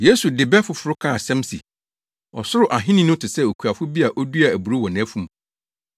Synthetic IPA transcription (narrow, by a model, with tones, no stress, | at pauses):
je˦su˨dɪ˨bɛ˦fʊ˨˦fʊ˦ɾʊ˦kʰa˦a˨sɛ̃˦msḭ˨ | ɔ˨sʊ˦ɾʊ˨ʔa˨ɦɪ̃˦nɪ̃˦nʊ̃˦tʰɪ˨sɛ˦o˨kʰu˨a˨fʊ˦bi˦a˨ʔɔ˦du˦a˨æ˨bu˨ɾu˦wɔ˨nɛ̃˦fũ˦˨m̃˨